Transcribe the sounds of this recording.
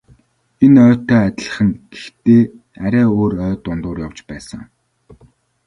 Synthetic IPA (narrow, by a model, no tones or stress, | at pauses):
enœːt̪œːæt̪ʲɪ̆ɮə̆χə̆ŋɡ̥ext̪eː | æɾʲæːoːɾœːt̪ʊnt̪ʊːrjawt͡ɕpæːsə̰̆ŋ